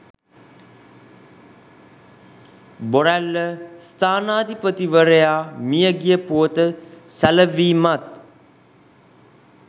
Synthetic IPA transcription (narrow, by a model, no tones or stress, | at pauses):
boɾælːəst̪aːnaːd̪ipət̪iʋəɾəjaːmijəɡijəpuət̪əsæləʋiːmat̪